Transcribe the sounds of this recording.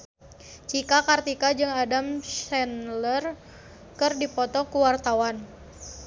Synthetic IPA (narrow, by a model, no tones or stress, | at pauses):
t͡ʃikakart̪ikad͡ʒɨŋadamsɛnlər | kɨrdipɔt̪ɔkuwart̪awan